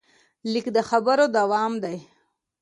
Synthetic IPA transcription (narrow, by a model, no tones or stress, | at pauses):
likd̪əxabəɾod̪awɑmd̪aj